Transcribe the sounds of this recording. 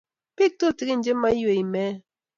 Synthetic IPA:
pi˦˨k̚to˦˨ti˨ɡi˦n̩˨˦d͡ʒe˦ma˦jwe˨i˨mɛ˦

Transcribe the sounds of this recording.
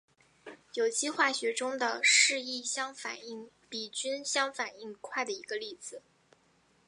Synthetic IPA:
jo˨˩ʊt͡ɕi˥xwa˥˩ɕɥɛ˧˥ʈ͡ʂʊ˥ŋd̪ə˨ʂɻ̩˥˧i˥˩ɕjɑ˥ŋfa̰˨˩ni˥˩ŋ | pi˨˩t͡ɕy˥nɕjɑ˥ŋfa˨˩ni˥˧ŋkʰwa˥˩ɪd̪ə˩i˧˥ɡə˧li˥˩d͡zɹ̩˩

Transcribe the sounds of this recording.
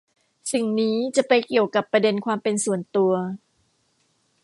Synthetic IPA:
si˨˩ŋniː˦˥t͡ɕa˨˩pa˧jki˨˩əwka˨˩pːɾa˧de˧nkʰwaː˧mpe˧nsu˨˩ənt̪u˧ɐ

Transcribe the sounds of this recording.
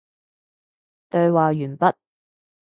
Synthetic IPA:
t̪ɵ˧ɥwaː˨jyː˨˩npɐ˦˥t̚

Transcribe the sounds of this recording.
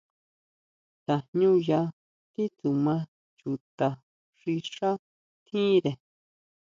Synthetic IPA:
t̪a˧ɲũ˦ja˧ | t̪i˦t̪u˨mã˦ | t͡ʃu˨t̪a˧ | ʐ̥i˧ʂa˦ | t̪ʰĩ˦ɾe˨

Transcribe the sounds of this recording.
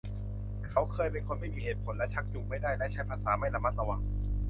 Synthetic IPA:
kʰa˦˥wkʰɤː˧jpe˧nkʰo˧nma˥˩jmiː˧˩heː˨˩t̪̚pʰo˨˩˦nlɛ˦˥t͡ɕʰa˦˥k̚t͡ɕuː˨˩k̚ma˥˩jdaː˥˩jlɛ˦˥ʔt͡ɕʰa˦˥jpʰaː˧saː˩˦ma˥˩jla˧ma˦˥t̪̚la˧wa˧ŋ

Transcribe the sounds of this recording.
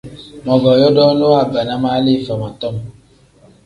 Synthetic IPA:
mɔ˨ɡɔ˨jɔ˦dɔ˦no˦a˦˨ba˨na˦ma˦li˦˨fa˨ma˨t̪ɔ˦˨m

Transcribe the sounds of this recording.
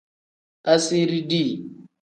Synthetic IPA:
a˦si˦ɾi˦di˦˨

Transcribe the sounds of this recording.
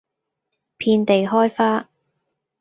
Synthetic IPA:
pʰiː˧nt̪e˨jɦɔː˥jfaː˥

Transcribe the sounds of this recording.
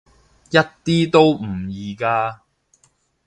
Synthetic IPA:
jɐ˥t̚t̪iː˥t̪o˥wm̩˨˩jiː˨˩kaː˥

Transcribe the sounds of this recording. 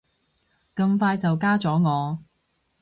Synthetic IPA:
kɐ˧ŋfaː˧jt͡sɐ˨wkaː˥t͡sɔː˨˥ŋɔː˨˧

